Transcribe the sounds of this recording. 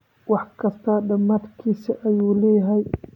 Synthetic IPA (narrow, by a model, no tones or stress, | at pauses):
wɑħkʰɐst̪ʰɐɖɐmaːd̪kʰiːsɐʔɐjuːlɛːjɐɦɛj